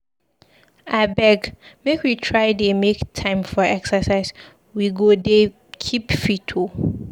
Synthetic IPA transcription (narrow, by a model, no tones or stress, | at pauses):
abɛɡmekwitʰɹaɪdemektʰãɪ̃mfɔɛksəsaɪs | wiɡode | kʰipfitʰu